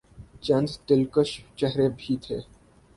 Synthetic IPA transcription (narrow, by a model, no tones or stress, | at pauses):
t͡ʃɐ̃nd̪ʱt̪ɪlkəʃt͡ʃɛɦɾebʱit̪ʰeː